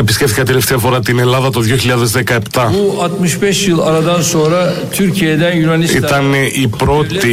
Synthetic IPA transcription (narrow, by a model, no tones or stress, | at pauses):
episcʲe̞ft̪ikɐt̪ele̞ft̪eɐfo̞ɾɐt̪ine̞lɐðɐt̪oðjioçiʎɐðe̞zðekɐe̞pt̪ɐuat̪mɯʃbɛʃjɯlˠaɾad̪anso̞nɾat̪ʰyɾcʰijed̪ænjynanisit̪ɐneipɾo̞t̪i